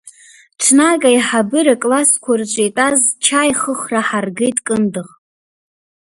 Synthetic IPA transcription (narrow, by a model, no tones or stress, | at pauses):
ʈ͡ʂʰnaɡʼaiħabɨɾakʼlaskʷʰart͡ʃʷʼejtʼazt͡ʃʰajχəχraħarɡe̞jtʼkʼɨndɨχ